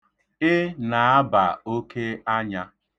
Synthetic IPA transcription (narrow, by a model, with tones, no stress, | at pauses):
ɪ˦na˨a˦ba˨o˦ke˦a˦ɲa˦